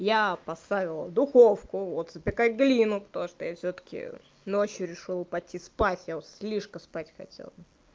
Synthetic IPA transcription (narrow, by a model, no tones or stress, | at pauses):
japɐst̪avʲɪlˠəd̪ʊxofkʊvot̪z̥əpʲɪkatʲɡlʲinʊkt̪oʂt̪ojafsʲot̪ə̥kʲɪ̰ | not͡ɕjʊɾʲɪʂɨlˠəpɐjtʲːispatʲjaot̪sʲlʲiʂkəspatʲxɐ̰tʲḛlˠə